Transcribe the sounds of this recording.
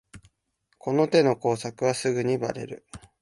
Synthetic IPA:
ko̞no̞t̪e̞no̞ko̞ːsakɯ̟βasɨɡɯ̟ɲ̟iba̰ɾe̞̰ɾɯ̟

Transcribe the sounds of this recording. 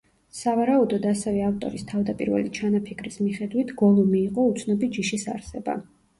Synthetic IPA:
savaɾaud̪ɔd̪asɛvɛaft̪ʼɔ̰ɾist̪ʰavd̪apʼiɾvɛ̰lit͡ʃʰanapʰikʰɾismiχɛd̪wit̪ʰɡ̥ɔlˠumiːqʼɔut̪sʰnɔbitd͡ʒiʃisa̰ɾsɛba̰

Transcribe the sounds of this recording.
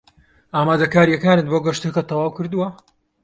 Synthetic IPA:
ʔaːmaːd̪ɐkaːɾijɐkaːnɨt̪boːɡɐʃt̪ɨkɐt̪ʰɐwɑːwkɨɾd̪uwɐ

